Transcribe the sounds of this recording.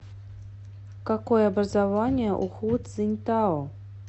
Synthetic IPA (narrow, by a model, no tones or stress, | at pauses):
kakojəabrɐzavanʲɪjəʔuxut̪zɨnʲt̪a